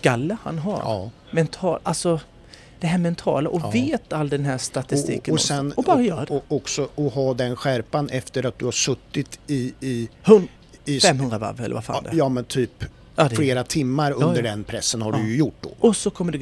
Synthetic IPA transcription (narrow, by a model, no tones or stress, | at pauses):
ɡalːəha̰nɦa̰ːɾ | mɛnt̪ʰɑːlalsɔ | d̪̥ɛɦæːɾmɛnt̪ʰɑ̰ːlaʔɔveːt̪alːd̪ɛnɦæʂt̪at̪ɪst̪ḭːkəɔssɛnɔbɑːɾajœːɾadɔksɔɔɦɑːd̪ɛnɧæɾpanɛft̪əɾat̪̚d̪ɵhaʂɵt̪ːɪt̪ɪɪhn | ɪfɛmːhɵnɾava̰vɛlə̰vafa̰ːd̪ɛjɑːmɛnt̪ʰyːp | ad̪fleːɾat̪ʰɪmːaɾɵd̪əɖɛnpʰɾɛsːənhaɖɵjɵjʊʈ̚ːd̪o̰ːʔɔsɔkʰɔmːəɖɛ